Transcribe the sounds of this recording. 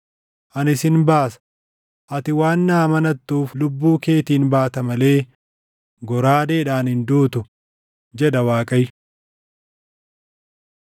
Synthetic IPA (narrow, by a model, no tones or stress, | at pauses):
ʔɐnɪsɪnbaːsɐ̥ | ʔɐt̪ɪwaːnːaːmɐnɐt̪ːuːflʊbːuːke̞ːt̪iːnbaːt̪ɐmɐle̞ː | ɡɔɾaːd̪eːᶑaːnhɪnd̪uːt̪ʊ | d͡ʒɛd̪ɐwaːkʼɐj